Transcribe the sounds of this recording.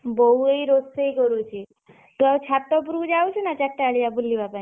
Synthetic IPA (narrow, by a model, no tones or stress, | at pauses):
boueiɾosejkɔɾuːt͡ʃʰi | t̪uawt͡ɕʰat̪ːɔp̬uɾud͡ʒaut͡ʃʰinat͡ɕaʈːaɭijabulːibapaĩ